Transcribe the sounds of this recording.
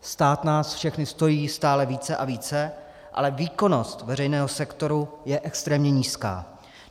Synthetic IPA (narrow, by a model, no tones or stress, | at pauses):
st̪aːt̪naːsfʃɛxnɪst̪o̞jiːst̪aːlɛviːt͡sɛʔaviːt͡sɛ | ʔa̰lɛviːko̞no̞st̪vɛɾɛjnɛːɦosɛkt̪o̞ɾujɛʔɛkst̪ɾɛːmɲɛɲiːska̰ː